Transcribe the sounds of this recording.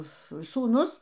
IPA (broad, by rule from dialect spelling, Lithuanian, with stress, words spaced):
suːˈnʊs